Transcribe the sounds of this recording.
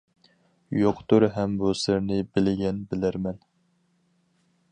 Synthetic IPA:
joqʰt̪uɾɦɛmbusɪɾnɪbɪlɪɡʲɛnbɪlæɾmɛn

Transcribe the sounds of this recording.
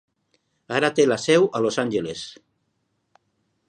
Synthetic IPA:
aɾat̪elasɛwʔalosanʲʒeles

